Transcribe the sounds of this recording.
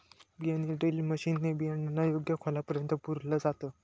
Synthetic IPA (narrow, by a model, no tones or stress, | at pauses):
bijanilɖeliməɕiːnt̪ebijaninːajoɡjəkʰolapəɾjənt̪əpuɾləd͡zat̪ə